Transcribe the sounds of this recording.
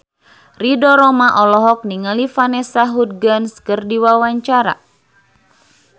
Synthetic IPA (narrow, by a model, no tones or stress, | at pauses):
ridɔɾɔmaʔɔlɔɦɔk̚niŋalifanɛsaɦud̚ɡanskɨrdiwawaɲt͡ʃaɾa̰